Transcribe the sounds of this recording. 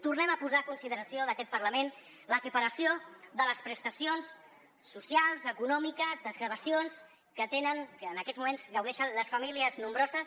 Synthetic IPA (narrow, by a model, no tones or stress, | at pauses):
t̪urnɛməpuzaːkunsiðəɾəsioðəkɛt̪̚pəɾləmen | ləpəpəɾəsijoðələspɾəst̪əsionsː | usialˠzəkunɔmikəzðəzɣɾəβəsions | kət̪enənkəːnəkɛzmumenzɡəwðɛʃənləsfəmiliəznumbɾɔzəs